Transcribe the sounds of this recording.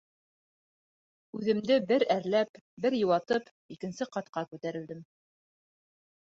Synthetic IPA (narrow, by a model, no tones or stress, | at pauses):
ʉðɘ̆md̪ɘbɘɾæɾlæp | bɘɾjɤ̆wɑt̪ɤp | ikɘ̆nsɘqɑt̪qɑkʉt̪æɾɘ̆ld̪ɘm